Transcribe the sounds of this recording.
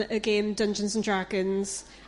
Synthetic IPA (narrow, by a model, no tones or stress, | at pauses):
əɡẽːmdʌ̃nd͡ʒə̃nzə̃ndɹaɡə̃nz̥